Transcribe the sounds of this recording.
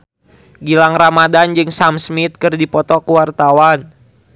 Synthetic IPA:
ɡilaŋramadand͡ʒɨŋsamsmit̪̚kɨrdipɔt̪ɔkuwart̪awan

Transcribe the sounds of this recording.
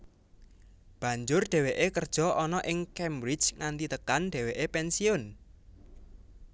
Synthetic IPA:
b̥ä̤ɲd͡ʒʊrɖ̪̥ɛ̤weʔekərd̥ʒ̥ɔ̤ʔɔnɔʔɪŋkɛmbɾɪd̥t͡ʃŋand̪it̪əkanɖ̥ɛ̤weʔepɛnsiʊn

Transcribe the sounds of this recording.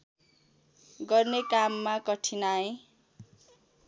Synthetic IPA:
ɡʌrnekamːakʌʈʰinaẽ

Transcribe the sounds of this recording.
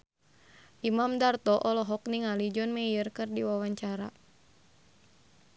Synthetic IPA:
ʔimamdart̪ɔʔɔlɔɦɔk̚niŋalid͡ʒɔnmɛirkɨrdiwawaɲt͡ʃaɾa̰

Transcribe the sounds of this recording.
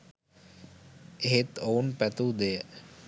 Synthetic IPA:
eɦet̪ounpæt̪ud̪ejə

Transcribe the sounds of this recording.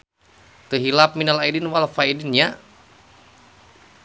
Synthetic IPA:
t̪əɦilap̚minalaidinwalfaidinɲa

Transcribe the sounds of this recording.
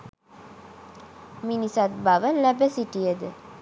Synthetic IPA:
minisat̪̚baʋəlæbəsiʈijəd̪ə

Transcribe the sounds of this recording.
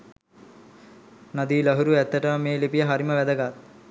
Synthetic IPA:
nɐd̪iːləɦuɾuæt̪ːəʈəmmeːlipijəɦaɾiməʋæd̪əɡat̪

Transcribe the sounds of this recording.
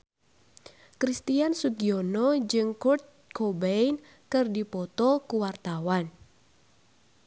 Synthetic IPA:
kɾist̪iansuɡionɔd͡ʒɨŋkurt̪̚kobejn | kɨrdipɔt̪ɔkuwart̪awan

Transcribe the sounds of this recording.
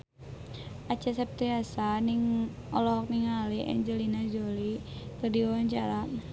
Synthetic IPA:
at͡ʃas̬ap̚t̪iasaniŋ | ɔlɔk̚niŋaliʔɛ̰ɲd͡ʒəlinad͡ʒolikərdiwaɲt͡ʃaɾa

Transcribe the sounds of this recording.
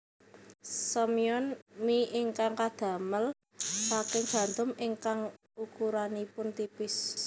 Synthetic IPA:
sɔmiɔnmiʔɪŋkaŋkad̪̥a̤məl | sakɪŋɡ̥a̤nd̪ʊmɪŋkaŋ | ukuɾanipʊnt̪ipɪs

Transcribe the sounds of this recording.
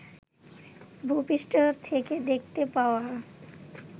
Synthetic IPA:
bʱupiʃʈot̪ʰeked̪ek̚ʰt̪epaoa

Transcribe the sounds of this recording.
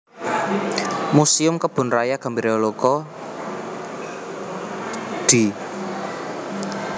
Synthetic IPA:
musiʊmkəb̥ʊ̤nrajaɡ̥a̤mbiɾolokɔ | d̪̥i

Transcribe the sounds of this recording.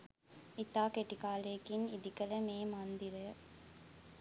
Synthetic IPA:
it̪aːkeʈikaːleːkinid̪ikələmeːmand̪iɾə

